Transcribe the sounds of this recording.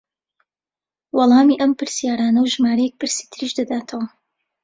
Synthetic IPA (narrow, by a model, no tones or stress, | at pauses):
wɑlˠɑːmiːʔɐmpɨɾsijaːɾaːnɐwʒmaːɾɐjɛk̚pʰɨɾsi̥t̪ʰɨɾiʃd̪ɐd̪aːt̪ʰɐwɐ